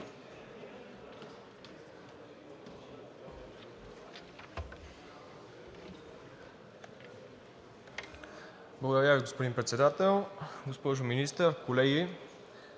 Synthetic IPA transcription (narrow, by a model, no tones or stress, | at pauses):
blˠəɡod̪aɾʲaviɡospod̪inmpɾɛt̪sɛd̪at̪ɛlˠɡospɔʒʊminist̪əɾkolɛɡi